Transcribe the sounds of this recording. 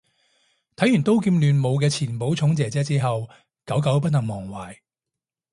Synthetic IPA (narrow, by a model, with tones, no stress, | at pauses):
t̪ʰɐ˨˥jyː˨˩nt̪o˥wkiː˧mlyː˨nmo˨˧wkɛː˧t͡sʰiː˨˩npo˨˥wt͡sʰʊ˨˥ŋt͡sɛː˨˧t͡sɛː˨˥t͡siː˥ɦɐ˨w | kɐ˨˥wkɐ˨˥wp̬ɐ˥t̚nɐ˨˩ŋmɔː˨˩ŋwaː˨˩j